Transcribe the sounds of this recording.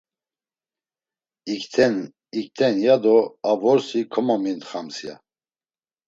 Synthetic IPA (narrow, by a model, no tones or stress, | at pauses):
ikt̪ʰɛn | ikt̪ʰɛnjad̪ɔavɔɾsikʰɔmɔmint̪χamsja̰